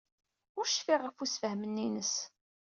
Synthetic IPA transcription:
ʊɾʃfiʁəfusfəhmənːinəs

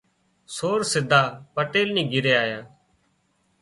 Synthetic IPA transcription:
soːɾsɪd̪ʱːaːpəʈeːlnĩːɡɪɾeːaːjaː

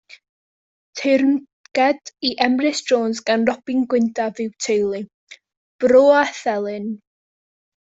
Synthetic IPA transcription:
tʰɪrm | ɡ̥ɛdiʔɛmrɪsd̥roːnsɡanrɔb̥ɪŋɡwɪntʰavɪwtʰejlˠi | b̥roːaθɛlˠɪn

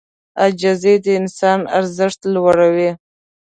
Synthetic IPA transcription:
ad͡ʒɑzed̪əɪnsɑna̰ɾzəʂt̪lwaɽawi

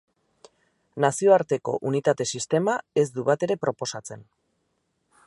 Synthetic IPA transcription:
nasio̞aɾt̪e̞ko̞̰ʔunit̪at̪e̞sist̪e̞mae̞zd̪uβat̪e̞ɾe̞pɾo̞po̞sat͡se̞n

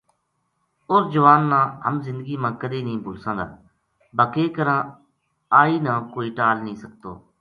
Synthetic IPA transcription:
oɾd͡ʒəʋaːnːãːɦəmzɪ̃nd̪əɡiːmãːkəd̪eːnĩːbʱʊlsə̃ːd̪a̰ː | bəkeːkəɾãː | aːiːnãːkoːiːʈaːlnĩːsək̚t̪o̰ː

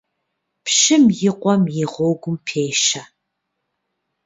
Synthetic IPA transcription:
pʃɪmjɪqʷɔmjɪʁoːɡʷʊmpʰeːʃɐ

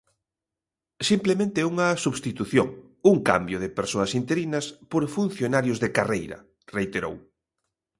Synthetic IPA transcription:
simplemẽnt̪ɪuŋɐsuβst̪it̪uθjoŋ | uŋka̰mbjʊðɪpeɾsoɐsint̪eɾinɐspoɾfun̟θjonaɾjʊzðekarejɾɐ̰ | rejt̪eɾo̰w

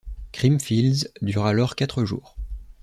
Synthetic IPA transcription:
kχimfild̪zd̪yʁalɔʁkat̪χəʒṵːʁ

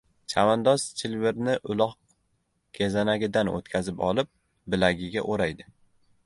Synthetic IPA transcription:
t͡ʃʰamand̪ɒzt͡ʃʰɪlveɾnɪʔʊlˠɒχ | ɡ̥ʰʲezanaɡʲɪd̪ano̰t̪kʲʰazɪpɒ̰lˠɪp̚ | bɪlaɡʲɪɡʲaʔoɾajd̪ɪ

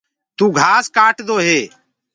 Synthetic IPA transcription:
t̪uːɡʱaːskaːʈd̪oːɦeː

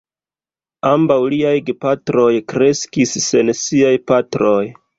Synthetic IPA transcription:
ambawliajɡepatɾo̞jkɾe̞skisːe̞nsiajpatɾo̞j

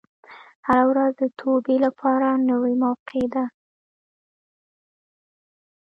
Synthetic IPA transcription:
haɾawɾazd̪ət̪ʰobelapʰɑɾanəwijmawqʰed̪a

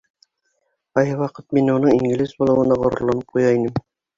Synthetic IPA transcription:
ɑjɑwɑqɤt̪̚minunɤŋiŋɡlisbulˠɤ̆wɤ̆nd̪ɑʁŏɾŏ̰ɾlˠɑnɤp̚qujɑinɘm

